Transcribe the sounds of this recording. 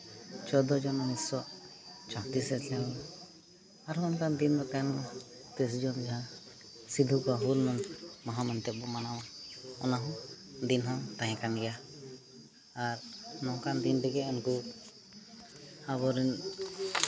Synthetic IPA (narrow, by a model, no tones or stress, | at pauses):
t͡ʃɔd̪ɔd͡ʒɔnɔnisɔʔt͡ʃaɦt̪isɛtɛ | aɾɔnkand̪ind̪ɔkanɔ | t̪ɛs̬d͡ʒɔnd͡ʒaɦã | sid̪ʱukɔaɦulmɔnmɔɦamɛnt̪ɛbɔmanawanɔnaɦɔ̃d̪inɦãwt̪ãɦɛ̃kanɡɛja | aɾnɔ̃kand̪int̪ɛɡɛɔnku | haβɔɾin